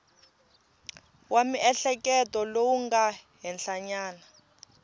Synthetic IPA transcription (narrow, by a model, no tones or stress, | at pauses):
wʔamiʔɛɬɛk̬ʼɛtʼɔlowuŋɡaɦɛnɬaɲaːna